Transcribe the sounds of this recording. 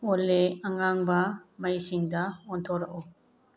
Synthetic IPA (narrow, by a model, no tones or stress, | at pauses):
olːeɐŋaŋbɐmɐjsiŋdɐɔnt̪ʰɔɾɐʔɔ